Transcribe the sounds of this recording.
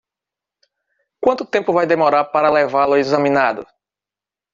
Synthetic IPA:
kwɐ̃nt̪ʊt̪ẽmpʊvajd̪emɔɾaɾpaɾɐlevalʊaezɐ̃mĩnad̪ʊ

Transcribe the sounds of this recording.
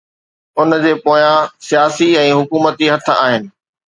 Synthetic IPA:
ʊnd͡ʑeːpoːjãsijaːsiɛ̃ːɦʊkuːmət̪iɦɐt̪̆ʰa̰ːɦɪnɪ̆

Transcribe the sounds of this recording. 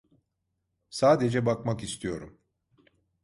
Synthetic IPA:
saːd̪ed͡ʒɛbakmakist̪ʰijo̞ɾum

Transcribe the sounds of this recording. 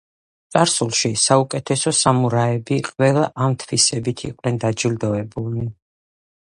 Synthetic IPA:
t̪sʼaɾsulˠʃisaukʼɛt̪ʰɛsɔsamuɾaɛbiqʼwɛlˠaʔamt̪ʰvisɛbit̪ʰḭqʼnɛnd̪ad͡ʒild̪ɔɛbulˠni

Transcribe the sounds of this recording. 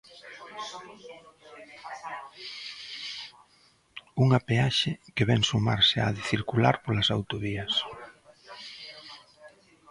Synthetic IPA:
uŋapeaʃɪkeβɛŋsuma̰ɾsea̰ðɪθiɾkulaɾpolasawt̪oβiɐs

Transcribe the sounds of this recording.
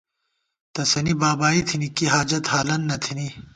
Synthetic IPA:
t̪ɐsɐnibaːbaːit̪ʰinikiɦaːd͡ʒɐt̪haːlɐnːɐt̪ʰini

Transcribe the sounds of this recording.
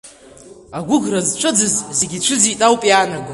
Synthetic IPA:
aɡʷʊɡrazt͡ʃʷʰɨd͡zɨzzeɡʲit͡ʃʷʰɨzitʼawpʼjaːnaɡʷa

